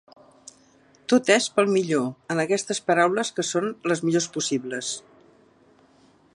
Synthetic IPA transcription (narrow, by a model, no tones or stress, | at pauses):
t̪ot̪ɛspəlˠmiʎoənəkɛst̪əspəɾawləskəsonləzmiʎospusiβləs